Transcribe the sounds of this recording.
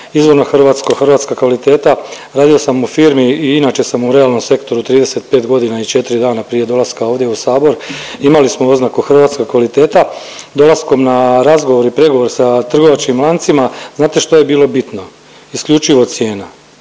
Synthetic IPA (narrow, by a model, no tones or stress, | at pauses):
izʋo̞ɾnoxr̩ʋaːt̪skoxr̩ʋaːt̪skakʋalit̪e̞ːt̪a | ɾaːd̪io̞samufiːɾmiːinaːt͡ʃe̞samuɾe̞alˠno̞mse̞kt̪o̞ɾut̪ɾiːd̪e̞se̞t̪̚pe̞ːt̪ɡo̞d̪inait͡ʃe̞t̪iɾid̪aːnapɾije̞d̪o̞laskao̞ːʋd̪je̞usaːbo̞ɾ | imalismo̞o̞znakuxr̩ʋaːt̪skoɡkʋalit̪e̞ːt̪a | d̪o̞lˠasko̞mnaɾazɡo̞ʋo̞ɾipɾe̞ɡo̞ʋo̞ɾsat̪r̩ɡo̞ʋat͡ʃkimlˠaːnt̪simaznaːt̪e̞ʃt̪oje̞biːlˠo̞bit̪no̞ | iskʎut͡ʃiʋo̞sje̞ːna